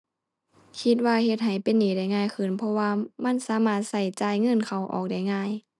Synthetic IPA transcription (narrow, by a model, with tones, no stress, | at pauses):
kʰi˧˥t̪̚waː˧he˧t̪̚ɦa˨˩jpe˧˨nːiː˨˩˦da˧˩jŋaː˧˥˨jkʰɯ˧˩˨npʰɔ˧waː˧ma˧˥˨nsaː˧˦maː˧˩t̪̚sa˧˩jt͡ɕaː˧˨jŋɤ˧˥˨nkʰa˨˩wʔɔ̰ː˨˩k̚da˧˩jŋaː˧˥˨j